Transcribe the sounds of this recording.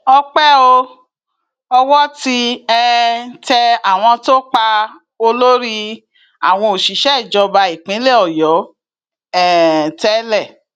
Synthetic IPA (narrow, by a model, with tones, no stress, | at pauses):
ɔ˧k͡pɛ˦o˧ | ɔ˧wɔ˦ti˧ɛ˧˦t͡ʃɛ˧a˨w̃ɔ̃˧to˦k͡pa˧ | o˧lo˦ɾi˦ | a̰˨w̃ɔ̃˧o˨ʃi˨˦ʃɛ˦˨d͡ʒɔ˧ba˧i˨k͡pĩ˨˦le˦˨ɔ˨jɔ˨˦ | ɛ˨tɛ˦lɛ˦˨